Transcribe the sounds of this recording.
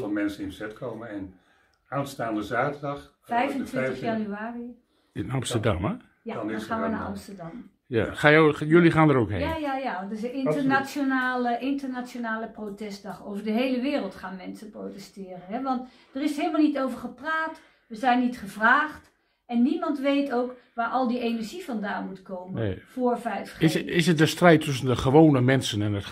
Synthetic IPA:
vɔmɛnsənɪnəzɛtkʰowməɛn | aːnstaːndəzaːtəɹdɑχ | fɛjvəntʋɪntəχjanyaːri | ɪnɑmstədɑ̰m | jadnnχaːnʋʋənaɑ̰mstəɹdɑm | ja̰χaːjojɵliχaːndəɾowkɦḛjajajadɪsəɪntənasjonaːləʔɪntərnasjonaːləprotɛst̚dɑχowvərdəɦejləʋɪːrəlˠtχaːnmɛnsəprotɛstɪːrənɦɛʋɑnt | d̥ərɪsheːləmalˠnitowvəɹχəpraːt | ʋəzɛjnːitχəvraːχt | ɛnːimɑntʋejtowk | ʋaːɹʔɑlˠdiʔejnɛɹʒivɑndaːnmutkoːmənfoːɹfɛjfɪsɪsət̚dəstrɛjtʰːʏs̬əndəχəʋoːnəmɛnsənɛnət

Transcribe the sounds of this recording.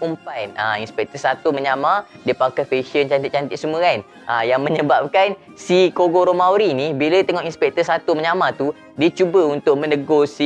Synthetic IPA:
umpajnainspɛk̚t̪əsat̪uməɲamadiəpakafeʃənt͡ʃant̪it̪̚t͡ʃant̪iʔsəmuan | ʔajaŋmə̃ɲəbap̚kan | sikoɡoɾomauɾinibilat̪əŋɔʔinspɛk̚t̪əsat̪uməɲamat̪u | diət͡ʃubəunt̪ʊʔ̚mə̃nə̃ɡosi

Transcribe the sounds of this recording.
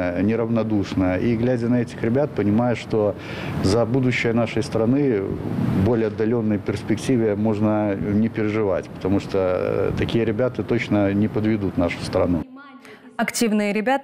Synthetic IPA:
nʲɪɾəvnɐd̪uʂnəjəʔiɡlʲædʲənɐɛtʲɪxɾʲɪbʲat̪̚pənʲɪmajʊʂt̪o | zɐbud̪ʊɕːɪjənaʂəjst̪ɾɐnɨ | bo̞lʲɪəɐd̪ːɐlʲo̞nːɨjəpʲɪrsʲpʲɪktʲivʲɪmo̞ʐnənʲɪpʲɪɾʲɪʐɨvatʲpə̥t̪ɐmuʂt̪ot̪ɐkʲijəɾʲɪbʲat̪ət̪ot͡ɕnənʲɪpəd̪vʲɪd̪ut̪naʂʊ̥st̪ɾɐnu | ɐktʲivnɨjəɾʲɪbʲat̪

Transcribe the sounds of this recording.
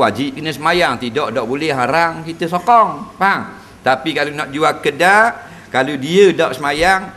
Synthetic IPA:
wad͡ʒip̚kənəsəmajaŋt̪idɔʔdɔʔbolɛɦaɾaŋkit̪əsokɔŋpaŋ | t̪apikalunɔt̪̚d͡ʒuakədaʔ | kaludiədɔʔsəmajaŋ

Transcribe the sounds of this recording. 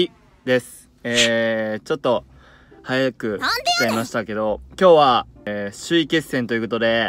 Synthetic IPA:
i | d̪e̞sɨ̥ | eːt͡ɕo̞t̪ːo̞ | hajakɯ̟ki̥t̪eimaɕi̥t̪ake̞d̪o̞kʲo̞ːβaɕɨike̞sːẽ̞nt̪o̞jɯ̟ko̞t̪o̞d̪e̞

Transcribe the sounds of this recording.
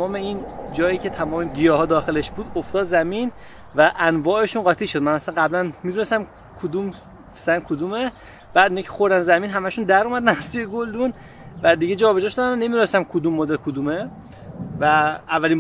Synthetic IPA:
ɒːmeind͡ʒɒːjiːcʰe̞t̪ʰæmɒːmeɟijɒːɦɒːd̪ɒːxeleʃbuːd̪oft̪ɒːd̪zæmin | væʔænvɒːe̞ʃuːnɢɒːt̪ʰiʃomænæsænɢæblænmiːd̪unesæm | kʰod̪um | fe̥sænkʰod̪ume | b̥æːd̪inɑkcʰe̥xo̞ɾd̪ænzæmiːnɦæmæʃund̪æɾuːmæd̪ænæz̥sujeɡold̪un | væd̪iɟed͡ʒɒːbe̞d͡ʒɒːʃod̪ænonemid̪unesæmkʰod̪uːmːoːd̪elkʰod̪uːme | væævːæliː

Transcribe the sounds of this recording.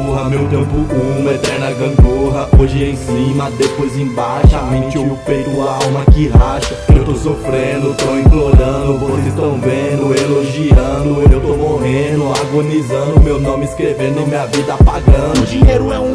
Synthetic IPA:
oɐmewt̪ẽmpʊumɐet̪ɛɾnɐɡɐ̃ɡoɦɐoʒɪẽj̃sĩmɐd̪epojzẽj̃baʃamẽt͡ʃɪpejt̪ʊaawmɐkɪɦaʃɐewt̪osofɾẽnd̪ʊt̪owĩkloɾɐ̃d̪ʊvozist̪ɐ̃w̃vẽd̪ʊeloʒiɐ̃nd̪ʊewt̪omoɦẽd̪ʊaɡonizɐ̃nd̪ʊmewnõmɪskɾevẽnd̪ʊmĩɐvid̪ɐapaɡɐ̃d̪ʊd͡ʒĩɲejɾʊɛũ

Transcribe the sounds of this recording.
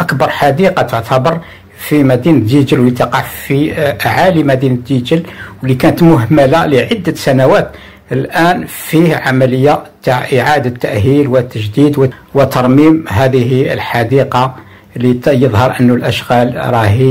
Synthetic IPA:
ʔækbɑɾˤħad̪iqɑt̪oʕt̪ʰæbɑɾˤ | fimæd̪inəiʒəlwlːit̪ɑqɑʕfiʔaʕalimæd̪inəd̪id͡ʒəlwəlːikænət̪mʊɦmælaləʕəd̪ːəsænæwæt̪ | əlʔænfihʕamələjːat̪aʕʔəʕad̪at̪ːæʔɦilwət̪ːəʒd̪id̪wəwət̪ɑɾˤmimɦæd̪əɦiə̰lħad̪iqɑ | lijəðˤɦɑɾˤʔənːulʔæʃɣælɾˤɑhi

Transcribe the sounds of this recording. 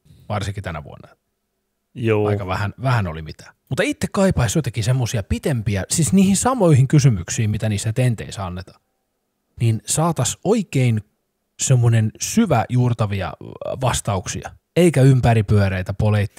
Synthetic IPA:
ʋɑrsiŋkit̪ænæ̰ʋṵo̰nːɑ | juːɑ̰ikɑʋæhænʋæhæno̰limit̪æ̥ːmut̪ːˑɑit̪ːekkɑipɑisot̪ɑkisemːosiɑpit̪empiæsisniːhinsɑmoihiŋkysymyksiːmmit̪æniːsːæt̪ent̪ḛisæɑnːet̪ɑ̥ | ninsɑːt̪ɑsoikein | semːonensyʋæ̰juːrt̪ɑʋiɑ̰ʋɑst̪ɑuksḭɑ̰ | eikæympæɾipyøɾæit̪æpoleit̪ːi̥

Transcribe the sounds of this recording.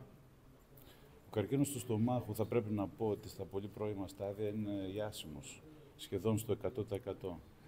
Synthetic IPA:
okɐɾcinost̪ust̪o̞mɐxuθɐpɾe̞pinɐpo̞ot̪ist̪ɐpo̞lipɾo̞imɐst̪ɐðiɐine̞ɐsimosː | çe̞ðo̞nst̪o̞e̞kɐt̪o̞t̪ɐekɐt̪o̞

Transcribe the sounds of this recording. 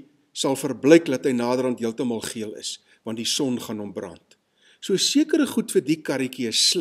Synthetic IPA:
sɐlˠfərbləjklɐtɦəjnɑːdəɾɐntɦiəlˠtəmɑlˠχiələ̰s | vɐntdisɔnχɑnɔmbrɐ̰nt | suəsiəkəɾəχutfərdikɐɾikiəsː

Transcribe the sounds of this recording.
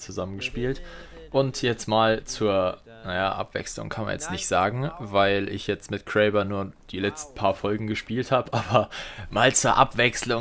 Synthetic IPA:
t͡suzamənɡəʃpiːlt | ʔʊntʰjɛt͡stmaːlt͡suːɐ | naja̰ːʔa̰pv̥ɛ̰ksl̩ʊ̰ŋkʰanma̰njɛt͡stnɪçtz̥aːɡŋ̩vaɪlɪ̰çjɛt͡stmɪtkʰʁ̥ɛɪbɐnuːɐd̥iːlɛt͡stn̩pʰaːɐfɔlɡŋ̩ɡəʃpiːlthaːbəʔaːbɐmaːlt͡suːɐʔapv̥ɛkslʊ

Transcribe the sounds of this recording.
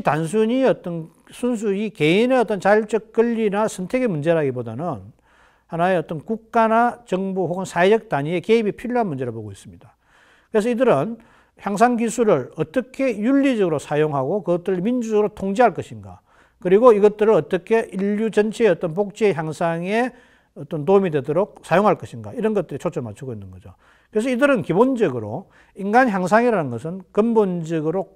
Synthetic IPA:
itansʰuɲiʌt͈ʌn | sʰuns̬ʰuike̞ineʌt͈ʌnt͡ɕaɭt͡ɕ͈ʌk̚k͈ɯʎːinasʰʌntʰe̞ɡemund͡ʑe̞ɾaɡiboda̰nɯn | hanae̞ʌt͈ʌnkuk̚k͈anat͡ɕʌŋbuhoɡɯnsʰaed͡ʑʌk̚taɲie̞ke̞ibipʰiʎjoɦanmund͡ʑe̞ɾɯɭpoɡois͈ɯmɲid̥a | kɯɾes̬ʰʌidɯɾɯn | çjaŋs̬ʰaŋɡisʰuɾɯɭʌt͈ʌkʰe̞juʎːid͡ʑʌɡɯɾosʰajoŋɦaɡokɯɡʌt̚t͈ɯɾɯɭmind͡ʑud͡ʑʌɡɯɾotʰoŋd͡ʑiɦaɭk͈ʌɕʰinɡa̰ | kɯɾiɡoiɡʌt̚t͈ɯɾɯɭʌt͈ʌkʰe̞ʔiʎjut͡ɕʌnt͡ɕʰeeʌt͈ʌnp̬ok̚t͡ɕ͈ieçjaŋsʰaŋe̞ | ʌt͈ʌntomidwe̞doɾok̚sʰajoŋɦaɭk͈ʌɕʰinɡa̰iɾʌnɡʌt̚t͈ɯɾit͡ɕʰot͡ɕʰʌɭmat͡ɕʰuɡoinːɯnɡʌd͡ʑo̰ | kɯɾes̬ʌidɯɾɯnkibond͡ʑʌɡɯɾo̰ | iŋɡançjaŋs̬ʰaŋiɾanɯnɡʌsʰɯnkɯmbond͡ʑʌɡɯɾo

